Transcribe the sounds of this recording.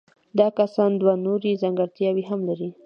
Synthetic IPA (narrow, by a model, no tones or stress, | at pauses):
d̪ɑkasɑnd̪wanoɾizaŋɡaɾt̪jɑwiɦamlaɾi